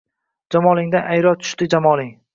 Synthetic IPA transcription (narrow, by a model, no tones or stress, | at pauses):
d͡ʒamɒlˠɪŋd̪anajɾɒt̪ʰʊ̥ʃt̪ɪd͡ʒamɒlˠɪŋ